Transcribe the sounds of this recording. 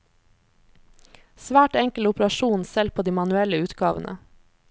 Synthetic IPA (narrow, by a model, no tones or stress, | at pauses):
sʋæːʈɛŋkəlʊpɾɑʃuːnsɛlpʰoːd̪iːmɑnʉɛləʉːt̪ɡɑːʋənʔə̰